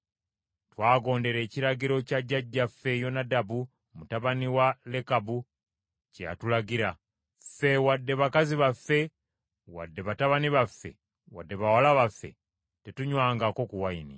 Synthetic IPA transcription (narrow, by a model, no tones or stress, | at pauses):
twaːɡo̞ːnde̞ɾe̞ːciɾaɡiɾo̞caɟːaɟːafːe̞jo̞nadabu | mutaβaniwale̞kabu | ceja̰tulaɡiɾa | fe̞wadːe̞βakaziβafːe̞ | wa̰dːe̞βataβaniβafːe̞̰ | wa̰dːe̞βawalaβafːe̞̰ | tetuɲwaːŋɡako̞kuwaini